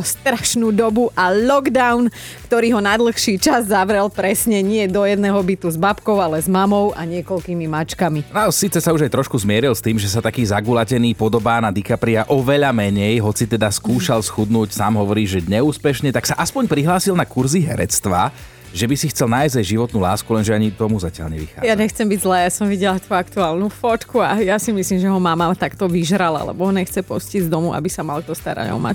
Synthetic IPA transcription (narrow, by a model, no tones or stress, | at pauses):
ɔst̪ɾaʃnuːd̪ɔbuʔalɔɡd̪aʊn | kt̪ɔɾiːɦɔnad̪l̩xʃiːt͡ʃazːaʋɾɛlpɾɛsɲɛɲɪɛd̪ɔjɛd̪nɛːɦɔbit̪uzbapkɔʊalɛzmamɔʊʔaɲɪɛkɔlkiːmimat͡ʃkamiasiːt͡sɛsauʒajt̪ɾɔʃkuzmɪɛɾilst̪iːmʒɛsat̪akiːzaɡulacɛniːpɔd̪ɔbaːnad̪ikapɾiaʔɔʋɛʎamɛɲɛjɦɔt͡sit̪ɛd̪askuːʃalsxud̪nuːcsaːmɦɔʋɔɾiːʒɛɲɛuːspɛʃɲɛt̪aksaʔaspɔɲpɾiɦlaːsilnakuɾziɦɛɾɛt͡st̪ʋa | ʒɛbisixt͡sɛlnaːjzɟajʒiʋɔt̪nulaːskulɛnʒɛaɲit̪ɔmuzacɪa̰lɲɛʋḭxa̰ːjaɲɛxt͡sɛmbiɟzlaːjasɔmʋiɟɛlat̪uːakt̪uaːlnufɔt̪kuajasimisliːmʒɛɦɔmamat̪akt̪ɔʋiʒɾala̰lɛ̰bɔɦɔɲɛxt͡sɛpɔscizd̪ɔmuʔa̰bisamalkt̪ɔst̪a̰ɾa̰ɟɔ̰ma̰